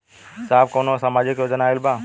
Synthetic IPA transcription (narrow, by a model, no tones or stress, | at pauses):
saːbkoːnosɐmaːd͡ʒekjoːd͡ʒənaːɪlbaː